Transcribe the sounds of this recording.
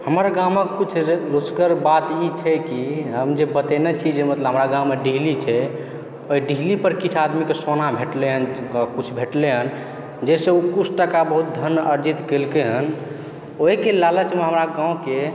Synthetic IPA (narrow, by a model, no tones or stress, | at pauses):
həməɾɡãwmekut͡ʃʰɾoskəɾbat̪it͡ʃʰɛkiɦəmd͡ʒebət̪enet͡ʃʰid͡ʒemət̪ləbɦəmɾaɡãwmeɖiɦlit͡ʃʰɛ | oiɖiɦlipəɾkit͡ʃʰad̪mikesonabʱeʈleɦənkut͡ʃʰbʱeʈleɦən | d͡ʒɛseukut͡ʃʰʈəkabəɦut̪̚d̪ʱənəɾd͡ʒit̪kelkeɦən | oɦikelalət͡ʃʰimeɦəmɾaɡãũke